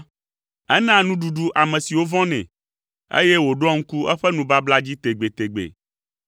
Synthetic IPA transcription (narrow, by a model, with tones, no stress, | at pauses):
ɛ˦nã˦nũ˦ɖu˨ɖu˦ʔa˨mɛ̃˨si˨wo˦vɔ̃˦nɛ̰̃˨ | ḛ˦jɛ˦wo˨ɖɔ˦ŋ̩˦ku˦ɛ˦ɸɛ˦nũ˨ba˦bla˦d͡ʑi˦t̪e˨ɡ͡be˨t̪e˨ɡ͡bḛ˨